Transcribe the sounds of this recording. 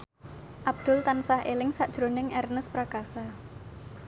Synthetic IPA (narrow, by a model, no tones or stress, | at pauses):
ʔab̚d̪̥ʊ̤lt̪ansahelɪŋsaʔd̥ʒ̥ɾonɪŋʔɛrnəspɾakasa